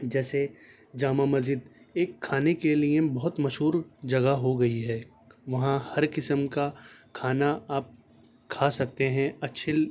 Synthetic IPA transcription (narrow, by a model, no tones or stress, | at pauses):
d͡ʒɛːse | d͡ʒaːmamɐzd͡ʒɪd̪ | eːkʰːaːnekeliebɔɦʊt̪mɐʃɦuːɾd͡ʒɐɡaɦoɡɐiɦɛː | ʋɐɦãhɐɾkɪsəmkakʰaːnaaːp̚ | kʰasɐk̚t̪eɦɛ̃ɐtːʃʰe